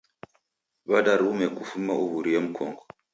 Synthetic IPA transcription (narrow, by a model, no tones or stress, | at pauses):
βadaɾumekufumːaʔuβuɾijamkʰɔŋɡɔ